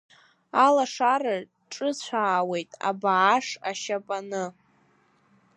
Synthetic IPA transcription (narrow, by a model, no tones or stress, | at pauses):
alaʂaɾa | ʈ͡ʂʼɨt͡ɕʷʰaːwe̞jtʼa̰baːʂaʃapʼanɨ